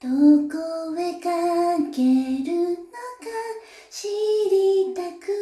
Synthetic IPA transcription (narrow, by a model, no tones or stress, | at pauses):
d̪̥okoβekakeɾɯnoka | ɕiɾʲit̪akɯ